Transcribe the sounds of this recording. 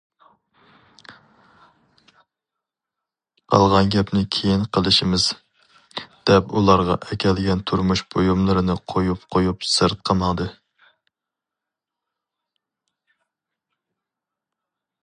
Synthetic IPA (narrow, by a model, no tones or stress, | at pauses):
qʰɑ̰lˠʁɑnɡʲɛpnɪkʲʰejinqʰəlˠɨʃimɪz | d̪̥ɛpulˠɑɾʁɑ̰ʔɛkʲʰɛlɡʲɛnt̪ʰuɾmuʃb̥ojumlˠɨɾɪnɪqʰojup̚qʰojupsɨɾt̪̚qʰəmɑd̪ɨ